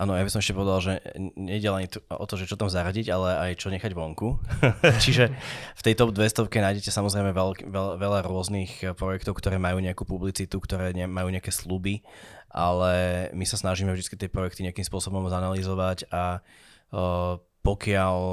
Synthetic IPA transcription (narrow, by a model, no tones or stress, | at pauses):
ʔaːnɔjabisɔmɛʃcɛpɔʋɛd̪alʒɛɲɛiɟɛlaɲit̪ɔ̰t̪ɔʒɛt͡ʃɔt̪amzaɾaɟiɟalɛajt͡ʃɔɲɛxaɟʋɔŋkut͡ʃiʒɛft̪ɛjt̪ɔbd̪ʋɛst̪ɔʊkɛnaːjɟɛcɛsamɔzɾɛɪmɛʋɛlkʋɛʋɛʎaɾʊɔznixpɾɔjɛkt̪ɔʊkt̪ɔɾɛːmajuːɲɛakupublit͡sit̪ukt̪ɔɾɛːɲɛmajuːɲɛakɛslubiʔa̰lɛmisasnaʒiːmɛvʒd̪it͡skit̪ɪɛpɾɔjɛk̚t̪iɲɛakimspʊɔsɔbɔmzanalizɔʋaca | pɔkɪaʎ